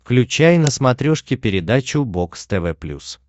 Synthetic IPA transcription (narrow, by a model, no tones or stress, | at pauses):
fklʲʉt͡ɕæjnəsmɐt̪ɾʲoʂkʲɪpʲɪɾʲɪd̪at͡ɕʊbokst̪ɛvɛplʲṵs